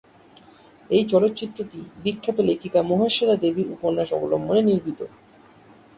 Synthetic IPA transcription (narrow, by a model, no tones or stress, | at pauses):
ejt͡ɕɔlot̪ːt͡ɕit̪ːɾoʈibikʰːet̪olekʰikamoɦaʃelad̪ebiɾṵponːaʃɔ̰ɡolo̰mːoneniɾbʱit̪o